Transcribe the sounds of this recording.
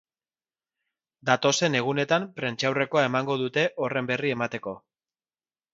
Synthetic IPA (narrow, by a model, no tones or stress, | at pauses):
d̪at̪o̞se̞ne̞ɣ̞une̞t̪ampɾe̞nt͡ʃawre̞ko̞ae̞maŋɡo̞ðut̪e̞ʔo̞re̞mbe̞rie̞mat̪e̞ko̞